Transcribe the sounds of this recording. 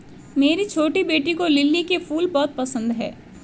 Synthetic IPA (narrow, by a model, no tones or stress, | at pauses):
meːɾit͡ʃʰoːʈibeːʈikolɪlːikefuːlbɔːt̪̚pɐsə̃nd̪ɦɛ̰ː